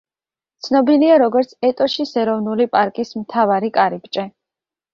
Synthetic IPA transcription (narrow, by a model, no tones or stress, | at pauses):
t̪sʰnɔbiliaɾɔɡɔɾt̪sʰɛt̪ʼɔʃisɛɾɔvnulipʼaɾkʼismt̪ʰavaɾikʼaɾib̚t͡ʃʼɛ